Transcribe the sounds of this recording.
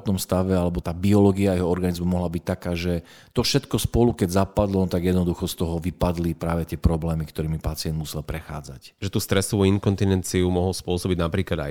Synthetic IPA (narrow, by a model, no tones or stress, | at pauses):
t̪ɔmst̪aʋɛalɛbɔt̪aːbiɔlɔɡiaːɛɦɔɔɾɡanizmumɔɦlabic̚t̪akaːʒɛ | t̪ɔfʃɛt̪kɔspɔlukɛɟzapad̪lɔnɔt̪aɡjɛd̪nɔd̪uxɔst̪ɔɦɔʋipad̪lipɾaːʋɛt̪ɪɛpɾɔblɛːmikt̪ɔɾiːmipat͡sɪɛnd̪musɛlpɾɛxa̰ːd͡za̰cʒɛt̪uːst̪ɾɛsɔʋuinkɔnt̪inɛnt͡siumɔɦɔlspʊɔsɔbiɟnapɾiːklad̪a̰j